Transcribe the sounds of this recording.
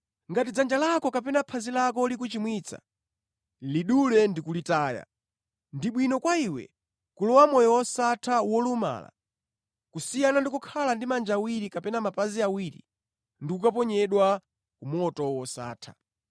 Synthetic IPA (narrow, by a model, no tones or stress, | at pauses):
ŋɡatid͡zand͡ʒalakɔkapɛnapʰazilakɔlik̬ut͡ʃimwit͡sʰa̰ | liɗulɛndikulitaːja̰ | ndiɓwinɔkwaiwɛ̰ | kulɔwamɔjɔwɔsatʰawɔluma̰la̰ | kusijanandikukʰalandimand͡ʒawiɾikapɛnamapaziawiɾḭ | ndikukapɔɲɛɗwa | kumɔtɔwɔsa̰ːtʰḁ̰